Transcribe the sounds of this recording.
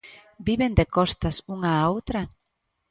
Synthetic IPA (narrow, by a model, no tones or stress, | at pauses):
biβend̪ekɔst̪asuŋaːowt̪ɾɐ